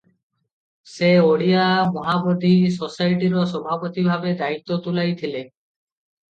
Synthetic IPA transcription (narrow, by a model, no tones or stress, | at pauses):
seoɽiamɔɦabod̪isɔsajʈiɾɔsɔbʱapɔt̪ibʱabed̪ait̪ːɔt̪ulajt̪ʰile